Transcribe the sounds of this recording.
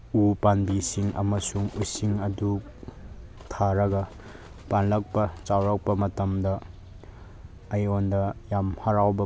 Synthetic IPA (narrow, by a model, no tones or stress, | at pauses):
upanbisiŋɐ̰mɐsuŋusiŋɐduk̚ | tʰaɾɐɡɐ | panlɐk̚pɐt͡ʃawɾɐk̚pɐmɐtɐmdɐ | jondɐjamhɐɾawbɐ